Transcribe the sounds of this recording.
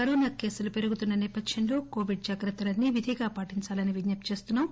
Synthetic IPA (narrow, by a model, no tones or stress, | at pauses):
kɐɾoːnaːke̞ːsulupe̞ɾuɡut̪unːɐnɛːpɐd̪jɐnlo̞ːko̞ːʋiɖ̚d͡ʒaːɡɾɐt̪ːɐlɐnːiʋid̪ʱiːɡaːpaːʈiɲt͡ʃaːlɐniʋid̪nɐpt͡ʃe̞ːst̪unːaːm